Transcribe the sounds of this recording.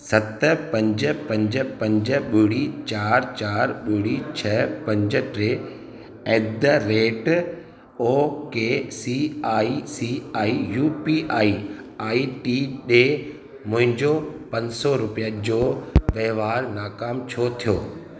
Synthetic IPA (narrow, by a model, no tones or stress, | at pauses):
sɐt̪pɐ̃ɲd͡ʑə̆pɐ̃ɲd͡ʑə̆pɐ̃ɲd͡ʑə̆ɓʊɽit͡ɕaːɾt͡ɕaːɾɓʊɽit͡ɕʰɐpɐ̃ɲd͡ʑə̆ʈɾeː | ɛːd̪əɾeːʈ | oːkeːsiːaːisiaːijuːpiʔaːiaːiʈiːɗeː | mʊ̃ɦɪ̃ɲd͡ʑopɐ̃ɲd͡ʑsɔɾʊpijad͡ʑoːʋeːʋaːɾnaːkaːmt͡ɕʰot̪ʰijoː